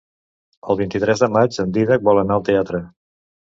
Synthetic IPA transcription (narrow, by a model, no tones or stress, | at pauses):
əlˠβint̪it̪ɾɛzðəmad͡ʒənd̪iðək̚bɔlənaəlˠt̪eat̪ɾə